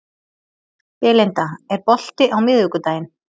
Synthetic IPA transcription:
pɛːlent̪aɛɾpɔl̥t̪ɪʔawmɪðvʏkʏt̪aːjɪn

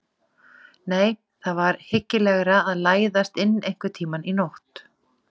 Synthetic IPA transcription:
neːj | θaðvaɾhɪcːɪlɛɣɾaːðlaːjðast̪ɪnːejŋ̥kvʏt̪ʰiːmaninoht̪

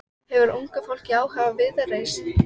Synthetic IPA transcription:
hɛvʏɾʔuŋkafowl̥ciaːwhaːvavɪðareːjsɪ

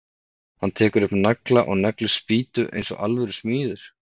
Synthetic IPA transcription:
hant̪ʰɛːkʏɾʏpnnaklaʔɔɣnaklʏspiːt̪ʏʔḛjnsɔ̰a̰lvɛɾʏsmiːðʏɾ̥

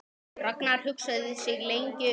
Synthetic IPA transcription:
rœknaɾ̥hʏksaððɪsɪɣlejɲcɪ

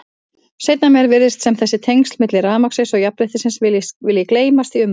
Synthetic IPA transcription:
sejt̪namɛɾvɪɾðɪst̪sɛmθɛsːɪt̪ʰejŋst̪lmɪt̪lɪraːðmaksɪnsɔɣjapɾɪht̪ɪsɪnsvɪljɪkleːjmast̪iʏm

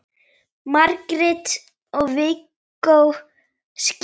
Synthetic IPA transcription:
maɾkɾɪt̪ | ɔɣvɪkː | ow | sc

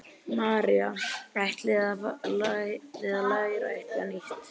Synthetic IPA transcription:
maːɾiaajht̪lɪða | lɪðalajɾa̰a̰jht̪laniht̪

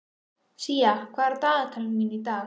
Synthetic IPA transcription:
ʃijakwaɾt̪at̪ʰalminit̪a

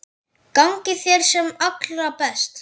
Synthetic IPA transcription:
kawŋcɪθjɛɾ̥sɛmaklʏɾapɛst̪

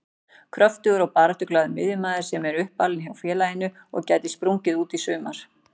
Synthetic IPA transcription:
kʰɾœft̪ʏɣʏɾawpaːɾat̪ʏklaːðʏmɪðjʏmaːðɪɾ̥sɛmɛɾʏhpːalɪnçawfjɛːlajɪnːʏ | ɔ̰ɣcaːjt̪ɪspɾuɲcɪðuːt̪isʏːmaɾ̥

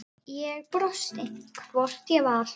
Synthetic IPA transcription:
jɛɣpɾɔst̪ɪŋkʰvɔr̥t̪jɛval

